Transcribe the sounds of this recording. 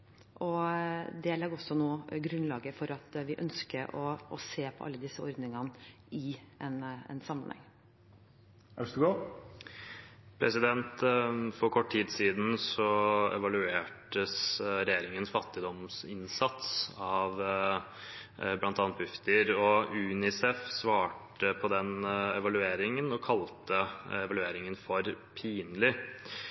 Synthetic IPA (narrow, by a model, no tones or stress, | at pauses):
ʔɔd̪ɛlɑɡɔsːɔnoːɡɾʉnlɑːɡəfɔɾɑt̪ʋɪʔœnskəɔɔseːpʰɔ̰ʔɑ̰lːəd̪ɪsːəɔɾd̪nɪŋɑn | ɪɛnɛ̰nsɑmːənhɛ̰ŋː | æʂd̪ɡoː | pʰɾɛsɪd̪ɛnt̪fɔɾkʰɔʈːʰiːd̪siːd̪n̩sɔɛ̰ʋɑlʉeːʈəsɾɛjeːɾɪŋənsfɑt̪ːɪd̪ɔmsɪnsɑt̪sɑʋ | blɑnt̪ɑnt̪̚bʏft̪əɾɔʉːnɪsɛfsʋɑːʈəpʰɔd̪ɛnɛʋɑlʉeːɾɪŋənɔkʰɑlt̪əɛʋɑlʉeːɾɪŋənfɔɾpʰiːnlɪ